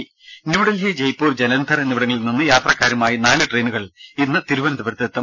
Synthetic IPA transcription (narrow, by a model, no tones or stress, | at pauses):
niʋuɽɐlɦɐd͡ʑejpuːrd͡ʑɐnɐnd̪ʱɐrenːiʋiɽɐŋːɐɭilninːɨjaːt̪rɐkːaːɾumaːjinaːlɨʈre̞ːnuɣɐɭinːɨt̪iɾuʋɐnɐd̪ɐbɐɾt̪ːɐt̪ːɐm